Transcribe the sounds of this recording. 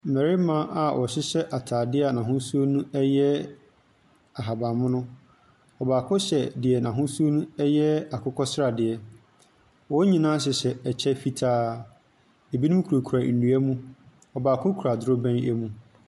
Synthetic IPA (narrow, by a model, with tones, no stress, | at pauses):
m̩˨mɛ˨ɾɪ˦mã˦ʔa˨wʔɔ̰˨ɕɪ˦ɕɛ˦ʔa˨tʰaː˨dɪ˦a˨nã˨ɦʊ̃˦su˦o˦nũ˦ɛ˦jɛ˦ | a˨ɦa˨bã˨mʊ̃˦nʊ̃˦ | ɔ˨baː˨kʰʊ̃˦ɕɛ˨dɪ˨ɛ˨nã˨ɦʊ̃˦su˦o˦nũ˦ɛ˦jɛ˦a˨kʰʊ˦kʰɔ˦sɪ˦ɾa˨dɪ˨ɛ˨ | wɔ˦ɲĩ˨nãː˦ɕ̬ɪ˨ɕɛ˨ɛ˨t͡ɕʰɛ˦fi˦tʰaː˦ | e˨bi˦nʊ̃˦m˦kʰu˨ɾo˨kʰu˨ɾa˨n̩˨du˨˦æ˦mũ˦ | ɔ˨baː˨kʰʊ̃˦kʰu˨ɾa˨dʊ˨˦ɾo˦bɛ̃˦æ˦mũ˨